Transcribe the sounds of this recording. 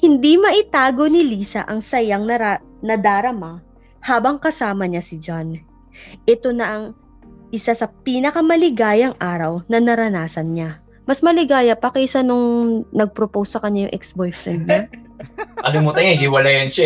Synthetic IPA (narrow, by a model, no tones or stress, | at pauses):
hɪnd̪imɐʔɪt̪aːɡo̞nɪliːsɐ̰ʔɐŋsɐjɐŋnɐɾa | nɐd̪aːɾɐma | haːbɐŋkɐsaːmɐɲasɪd͡ʒan | ʔɛt̪o̞nɐʔɐŋ | ʔɪsasɐpiːnɐkɐmɐlɪɡaːjɐŋʔaːɾɐwnɐnɐɾɐnaːsɐnɲa | mɐsmɐlɪɡaːjɐpɐkɛʔɪsanʊŋnɐɡ̚pɾopowsːɐkɐɲːajʊŋʔɛ̰ksbojfɾɛnd̪̚ɲa | ʔɐlɪmut̪ɐɲahɪwɐlajɐnʃa